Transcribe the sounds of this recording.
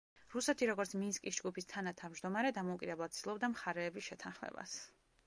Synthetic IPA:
ɾusɛt̪ʰiɾɔɡɔɾt̪sʰminskʼisd͡ʒɡupʰist̪ʰanat̪ʰavmd͡ʒd̪ɔmaɾɛd̪amɔukʼid̪ɛblˠad̪̚sd̪ilˠɔbd̪amχaɾɛːbisʃɛt̪ʰanχmɛ̰ba̰s

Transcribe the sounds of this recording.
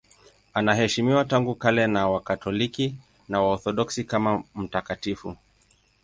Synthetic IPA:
anaɦɛʃimiwataŋɡukalɛnawakatɔliki | nawaɔθɔɗɔksikamam̩takatifu

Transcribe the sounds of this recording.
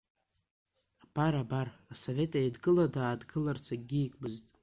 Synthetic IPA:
apʰaɾabarasove̞tʼajdɡʼɨladaːdɡɨlart͡sʰaɡʲiːkʷʼbɨztʼ

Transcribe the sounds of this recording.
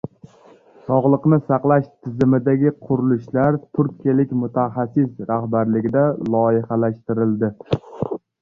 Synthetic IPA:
sɒʁlˠɨqnɪsɑqlˠaʃt̪ʰɪzɪmɪd̪aɡʲɪqʰʊɾɪlɪʃlaɾt̪ʰʊɾkʰʲijalɪkʲmʊt̪ʰaχɑsːɪsɾahbaɾlɪɡʲɪd̪alˠɒɪhɑlaʃt̪ɪɾɪld̪ɪ

